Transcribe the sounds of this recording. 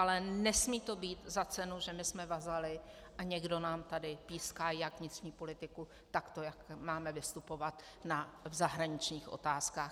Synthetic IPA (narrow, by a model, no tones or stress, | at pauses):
ʔalɛnɛsmiːt̪o̞biːt̪zat͡sɛnuʒɛmɪsmɛvazalɪ | ʔaɲɛɡdo̞naːmt̪adɪpiːskaːjakvɲɪt̪r̥ɲiːpo̞lɪt̪ɪku | t̪akt̪o̞jakmaːmɛvɪst̪upo̞vat̪ | navzaɦɾaɲɪt͡ʃɲiːxʔo̞̰t̪aːskaːx